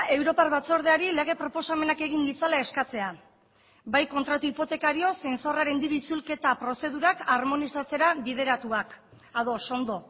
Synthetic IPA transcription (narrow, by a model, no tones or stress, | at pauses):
e̞wɾo̞parβat͡so̞ɾð̞eaɾile̞ɣ̞e̞pɾo̞po̞same̞nake̞ɣ̞iŋbisalae̞skat͡se̞a | bajko̞nt̪ɾat̪uipo̞t̪e̞kaɾio̞se̞nso̞raɾe̞nd̪iɾuit͡sulke̞t̪apɾo̞se̞ð̞uɾakarmo̞nisat͡se̞ɾaβið̞e̞ɾat̪uak | aðo̞so̞nd̪o̞